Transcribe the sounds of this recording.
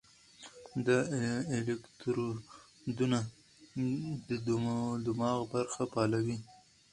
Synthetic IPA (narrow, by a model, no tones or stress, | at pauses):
d̪aelekt̪ɾo | d̪una | d̪əd̪d̪ʊmɑɣbaɾxapɑlawi